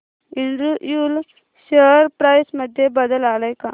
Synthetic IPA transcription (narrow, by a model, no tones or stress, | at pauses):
iɳɖɾujul | ɕəɾpɾajsməd̪ʱjebəd̪əlaləjka